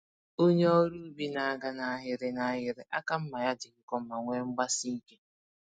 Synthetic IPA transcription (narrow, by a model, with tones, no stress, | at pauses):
o˦ɲe˦o˦ɾu˦bi˦na˨a˦˨ɡa˦na˨a˦ɦɪ˨ɾɪ˨na˨˦ɦɪ˨ɾɪ˨ʔa˦ka˦m̩˦ma˨ja˦dɪ˨ŋ̩˦kɔ˦ma˨ŋʷe˦ŋ͡m̩˦ɡ͡ba˦sɪ˦ŋ̩˦ke˦